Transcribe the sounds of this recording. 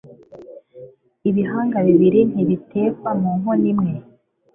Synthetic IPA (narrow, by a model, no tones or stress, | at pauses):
iβiɦaːŋɡaβiβiɾin̥iβitʰe̞ːkwamuːŋonimŋe̞